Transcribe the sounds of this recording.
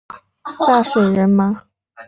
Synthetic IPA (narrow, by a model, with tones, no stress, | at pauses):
t̪a˥˩ʂwe˨˩ɪɻə˧˥nma˧